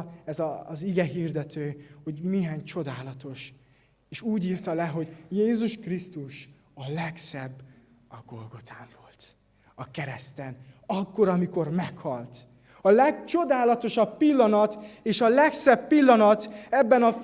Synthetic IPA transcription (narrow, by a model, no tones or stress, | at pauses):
ɛzɒziɡɛɦiːrd̪ɛt̪øːho̞ɟmiɦaːɲt͡ʃo̞d̪aːlɒt̪o̞ʃ | eːʃuːɟiːrt̪ɒlɛɦo̞ɟjeːzuʃkrist̪uʃ | ɒlɛksɛbː | ɒɡo̞lɡo̞t̪ʰaːɱvo̞lt̪ | ɒkɛɾɛst̪ɛnɒkːo̞ɾɒmiko̞rmɛkhɒlt̪ | ɒlɛɡt͡ʃo̞d̪aːlɒt̪o̞ʃɒppilːɒnɒt̪eːʃɒlɛksɛbːilːɒnɒt̪ɛbːɛnɒ